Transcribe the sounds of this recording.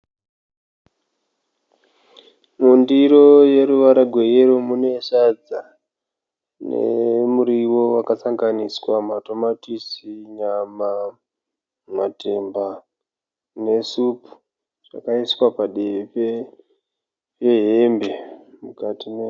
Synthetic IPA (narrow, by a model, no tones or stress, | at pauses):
mundiɾo̞je̞ɾuʋaɾaɡʱwe̞jeɾomune̞ʃad͡za | nḛmuɾiwo̞wakasaŋɡaniswamato̞matisiɲama | matʰe̞mba | ne̞supu̥ | ʐ̥a̰kaiswapaɗepe | peɦembe̞mukatine